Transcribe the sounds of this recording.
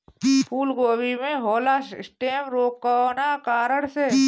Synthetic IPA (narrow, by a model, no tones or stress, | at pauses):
pʰuːlɡoːwimẽɦoːlasɪsʈeːmɾoːkːanakaːɾəɽse